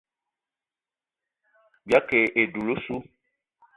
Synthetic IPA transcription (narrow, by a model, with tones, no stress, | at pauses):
bi˨a˦ke˨ʔe˨ɖu˨lu˦su˦